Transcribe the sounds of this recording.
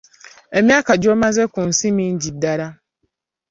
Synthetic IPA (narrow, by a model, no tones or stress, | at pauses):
emĩakad͡ʒɔmãzɛkʊ̃n̩simĩn̩d͡ʑidaɾa